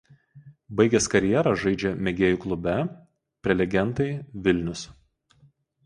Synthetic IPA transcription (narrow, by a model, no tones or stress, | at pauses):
bɐɪɡʲɛskɐɾʲjɛɾɐʒɐɪd͡ʒʲɛmʲɛɡʲeːjuˑklˠʊbʲɛ | pʲɾʲɛlʲɛɡʲɛnt̪ɐɪʋʲɪlʲnʲʊs